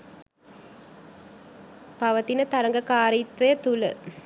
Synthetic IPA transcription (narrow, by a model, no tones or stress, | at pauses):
paʋət̪inət̪aɾɐŋɡəkaːɾiːt̪ʋejət̪ulə̰